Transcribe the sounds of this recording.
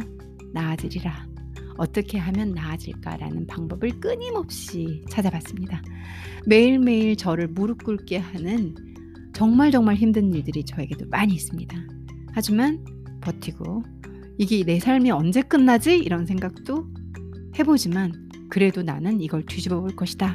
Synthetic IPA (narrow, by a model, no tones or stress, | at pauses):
naːd͡ʑɯɾiɾa | ʌt͈ʌkʰe̞ɦamjʌnːaːd͡ʑḭɭk͈a̰ɾa̰nɯnpaŋbʌbɯɭk͈ɯɲimʌp̚ɕ͈it͡ɕʰad͡ʑabas͈ɯmɲida | me̞iɭme̞iɭt͡ɕʌɾɯɭmuɾuk͈uɭk͈e̞ɦanɯn | t͡ɕʌŋmaɭd͡ʑʌŋmaɭçimdɯniɭdɯɾit͡ɕʌe̞ɡe̞domaɲiːs͈ɯmɲida | had͡ʑiman | pʌtʰiɡ̥o | iɡene̞sʰaɭmiʌnd͡ʑe̞k͈ɯnːad͡ʑiiɾʌnsʰe̞ŋɡak̚t͈o | he̞bod͡ʑiman | kɯɾe̞donanɯniɡʌɭtuɕibʌboɭk͈ʌɕʰi̥da